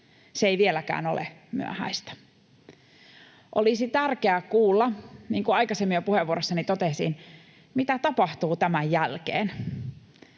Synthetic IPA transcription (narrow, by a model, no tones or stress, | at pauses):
seeiʋielækæ̰ːnolḛmy̰æ̰hæ̰ist̪æ̥ | ʔolisit̪ærkeækuːlːɑniːŋkuɑikɑsemːiopuheʋːuoɾosːɑnit̪ot̪esḭn | mit̪æt̪ɑpɑht̪uːt̪æmæjjælkḛːn